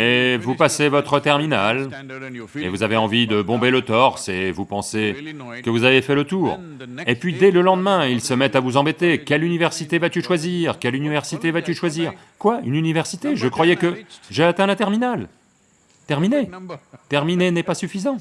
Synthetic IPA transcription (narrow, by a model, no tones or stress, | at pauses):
evupasevɔt̪χət̪ɛʁminal | evuzaveɑ̃vid̪əbɔ̃belət̪ɔʁsɛvupɑ̃se | kəvuzavefɛlət̪uːʁ | epɥid̪ɛləlɑ̃d̪mɛ̃ilsəmɛt̪avuzɑ̃bet̪ekʲɛlynivɛʁsit̪evat̪yʃwaziʁkʲɛlynivɛʁsit̪evat̪yʃwaziːʁ | kwaynynivɛʁsit̪eʒəkχwajɛkəʒeat̪ɛ̃lat̪ɛʁminal | t̪ɛʁminet̪ɛʁminenɛpasyfizɑ̃t̪